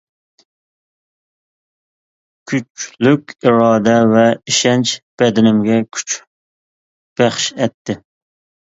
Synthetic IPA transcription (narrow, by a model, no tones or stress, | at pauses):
kʲʰyt͡ʃlykʲiɾɑːd̪ɛvɛiʃɛnt͡ʃb̥ɛd̪ɪnɪmɡʲɛkʲʰy̥t͡ʃ | b̥æχʃɛt̪ʰːɪ